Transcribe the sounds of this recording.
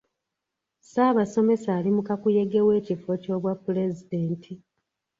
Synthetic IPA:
saːβaso̞me̞saːlimukakuje̞ɡe̞we̞ːcifoco̞ːβwapːule̞zide̞ːntʰi

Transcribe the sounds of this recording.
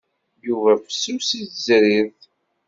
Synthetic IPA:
juvæfsusiθzɾiɾθ

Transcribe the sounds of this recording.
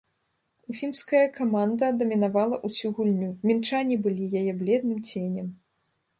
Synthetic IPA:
ufʲimskɐjɐkamand̪ɐd̪ɐmʲinavalˠɐʔut͡sʲuɣulʲnʲumʲint͡ʂanʲːibɨlʲijajɛblʲɛd̪nɨmt͡sʲenʲɛm

